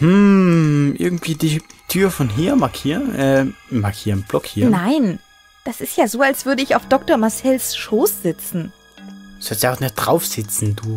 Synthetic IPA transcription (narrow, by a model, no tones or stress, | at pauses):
hm̩ | ʔɪ̰ɐɡŋ̩tv̥iːdiːtʰyːɐfɔnɦiːɐmaɐkʰiːɐʔɛːmakʰiːɐnb̥lɔkhiːnaɪn | d̥asɪstjaːzoːalsv̥ʏɐdəɪçaʊfd̥ɔk̚toɐmaɐsɛlsʃoːsz̥ɪt͡sn̩ | sɔlstjaʊxnɪç̚d̥ʁaʊfz̥ɪt͡sn̩duː